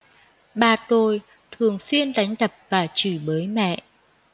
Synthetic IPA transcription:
ɓaː˨˩t̪o˨˩j | t̪ʰɨ˨˩əŋswi˧ənɗa˨˦jŋ̟ɗə˨˩p̚vaː˨˩t͡ɕɨ˧˩ɓəː˨˦jmɛ̰˧˨ʔ

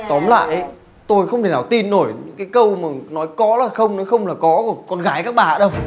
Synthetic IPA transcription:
t̪ɔ˨˦mla̰ː˧˨jʔə˨˦j | t̪o˧jxə˧wŋ͡mtʰe˨˩naː˨˩wt̪i˧nːo˧˩jɲɨ̰˧˥ŋkaː˨˦jkə˧wmaː˨˩nɔ˨˦jkɔ˨˦laː˨˩xə˧wŋ͡mnɔ˨˦jxə˧wŋ͡mlaː˨˩kɔ˨˦ku˧˩kɔ˧nɣaː˨˦jkaː˦˥k̚ɓaː˧˩˦ɗə˧w

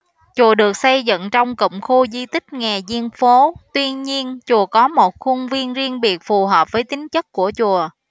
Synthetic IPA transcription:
t͡ɕu˨˩əɗɨ˨˩ək̚sa˧jzə̰˧˨nt͡ɕɔ˧wŋ͡mkə̰˧˨wŋ͡mxu˧zi˧t̪ï˦˥k̟̚ŋɛ˨˩zi˧ənfo˨˦t̪wi˧ənɲi˧ənt͡ɕu˨˩əkɔ˨˦mo˨˩t̚xʊ˧ŋ͡mvi˧ənzi˧əŋɓi˨˩ək̚fu˨˩ɦəː˨˩p̚vəː˨˦jt̪ï˨˦ŋ̟t͡ɕə˦˥t̚ku˧˩ət͡ɕu˨˩ə

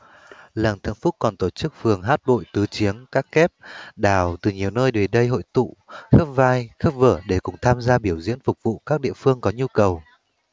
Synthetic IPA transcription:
lə˨˩nt̪ʰɨ̰˧˩ŋfʊ˦˥t̚kɔ˨˩nt̪o˧˩t͡ɕɨ˦˥k̚fɨ˨˩əŋɦaː˦˥t̚ɓo̰˧˨jt̪ɨ˨˦t͡ɕi˨˦əŋkaː˦˥kːɛ˦˥p̚ɗaː˧˨˩wt̪ɨ˨˩ɲi˨˩əwnəː˧jɗwe˨˩ɗə˧jɦo̰˧˨jt̪ṵ˧˨xə˦˥p̚vaː˧jxə˦˥p̚vəː˧˩ɗe˧˩kʊ̰˧˩ŋ͡mt̪ʰaː˧mzaː˧ɓi˧˩əwzḭ˧˥ənfʊ˨˩k͡p̚vṵ˧˨kaː˦˥k̚ɗḭ˧˨əfɨ˧əŋkɔ˨˦ɲu˧kə˨˩w

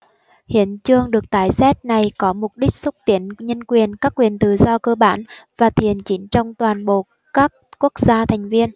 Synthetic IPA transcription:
hḭ˧˥ənt͡ɕɨ˧əŋɗɨ˨˩ək̚t̪aː˧˩jsɛ˦˥t̚na˨˩jkɔ˨˦mʊ˨˩k͡p̚ɗï˦˥k̟̚swə˦˥k͡p̚t̪i˨˦ənɲə˧nkwi˨˩ənkaː˦˥kːwi˨˩ənt̪ɨ̰˨˩zɔ˧kəː˧ɓaː˧˥nvaː˨˩t̪ʰi˨˩ənt͡ɕi˨˦nt͡ɕɔ˧wŋ͡mt̪waː˨˩nɓo̰˨˩ | kaː˦˥k̚ku˦˥ək̚z̥aː˧t̪ʰa˨˩jŋ̟vi˧ən

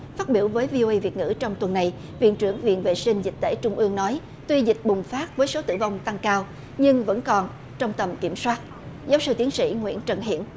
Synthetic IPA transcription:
faː˦˥t̚ɓḭ˧˩əwvəː˨˦jvi˧o˧ʔə˧jvi˨˩ət̚ŋɨ̰˧˥t͡ɕɔ˧wŋ͡mt̪wə˨˩nːa˨˩j | vḭ˧˨ənt͡ɕɨ˧˩əŋvḭ˧˨nvḛ˧˨sï˧ŋ̟zi˨˩k̚t̪ḛ˧˩t͡ɕʊ˧ŋ͡mʔɨ˧əŋnɔ˨˦j | t̪wi˧zï˨˩k̟̚ɓʊ˨˩ŋ͡mfaː˦˥t̚vəː˨˦jso˨˦t̪ɨ̰˧˨va˧wŋ͡mt̪a˧ŋkaː˧w | ɲɨ˧ŋvə̰˧˥nkɔ˨˩n | t͡ɕɔ˧wŋ͡mt̪ə˨˩mkḭ˧˩əmswaː˦˥t̚ | zaː˨˦wsɨ˧t̪i˨˦ənsḭ˧˥ŋwḭ˧˥ənt͡ɕə˨˩nɦḭ˧˨ən

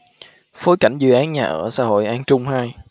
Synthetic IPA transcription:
fo˨˦jka˧˩jŋ̟zɨ̰˧˨ʔaː˨˦nɲaː˨˩ʔəː˧˩sa̰ː˧˥ɦo̰˧˨jʔaː˧nt͡ɕʊ˧ŋ͡mhaː˧j

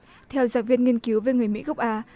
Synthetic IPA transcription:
t̪ʰɛ˧wzaː˧˩ŋvi˧ənŋi˧ənki˨˦wve˨˩ŋɨ˨˩əjmḭ˧˥ɣə˦˥k͡p̚ʔaː˧

